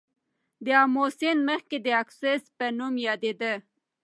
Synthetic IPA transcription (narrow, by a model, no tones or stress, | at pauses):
d̪əɑmosenməxked̪əaksespənumjɑd̪ed̪ə